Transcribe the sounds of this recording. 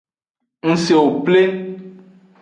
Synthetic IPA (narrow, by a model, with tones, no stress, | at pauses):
ŋ̩̃˦se˨wo˨ple˦